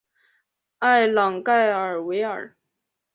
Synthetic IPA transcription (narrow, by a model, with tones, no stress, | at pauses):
a˥˩ɪlɑ˨˩ŋka˥˩ɪə˨˩we˧˥ɪə̰˞˨˩